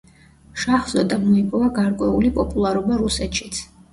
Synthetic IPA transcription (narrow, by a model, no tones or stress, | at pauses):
ʃaχz̥ɔd̪amɔipʼɔvaɡaɾkʼwɛulipʼɔpʼulˠaɾɔbaɾusɛt̪ʃi̥t̪sʰ